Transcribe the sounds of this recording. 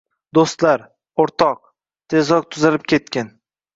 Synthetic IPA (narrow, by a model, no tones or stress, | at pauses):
d̪ost̪laɾ | oɾt̪ʰɒq̚ | t̪ʰe̞zɒk̚t̪ʰʊzalɪp̚kʲʰe̞t̪̚kʲan